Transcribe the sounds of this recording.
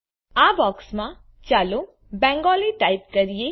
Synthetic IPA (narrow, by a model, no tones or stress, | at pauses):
abɔksmã | t͡ʃalu | bɛ̃ŋɡɔliʈaip̚kəɾije